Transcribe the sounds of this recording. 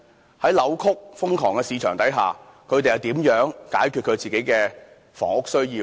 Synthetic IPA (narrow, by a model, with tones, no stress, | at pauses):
hɐ˨˥jlɐ˨˧wkʰʊ˥k̚fʊ˥ŋkʰɔː˨˩ŋkɛː˧siː˨˧t͡ʃʰœː˨˩ŋt̪ɐ˨˥jɦa̰ː˨kʰɵ˧ɥt̪e˨jɐ˨˩t̪iː˨˥mjœː˨˥ŋkaː˨˥jkʰy˨t̚kʰɵ˨˧ɥt͡siː˨˩ke˨˥jkɛː˧ | fɔ̰ː˨˩ŋʊ˥k̚sɵ˥ɥjiː˧